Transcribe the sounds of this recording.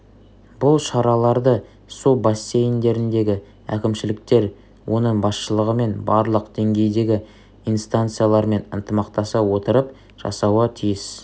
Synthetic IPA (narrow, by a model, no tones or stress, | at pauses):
bʊlˠʃɑɾɑlˠɑɾd̪ə | subasʲːe̞jɪnd̪e̞ɾɪnd̪e̞ɡʲɪ | æ̰kʲɪmʃɪlɪk̚t̪e̞ɾ | wʔo̞nəɴbɑsʃəlˠəʁəme̞nbɑɾlˠəqd̪e̞ŋɡʲe̞jd̪e̞ɡʲɪ | ijnst̪ant̪sɨjalˠɑɾme̞nənt̪əmɑqt̪ɑsɑwo̞t̪əɾəp | ʒ̥ɑ̰sɑwɑt̪ʰijɪs